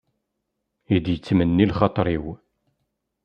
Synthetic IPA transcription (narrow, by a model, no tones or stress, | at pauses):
id̪jət͡sːmənːilχɑt̪ˤɾˤiw